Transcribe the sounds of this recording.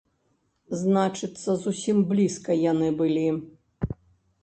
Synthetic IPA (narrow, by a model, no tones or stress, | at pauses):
znat͡ʂɨt̪sːɐzusʲimblʲiskɐjanɨbɨlʲi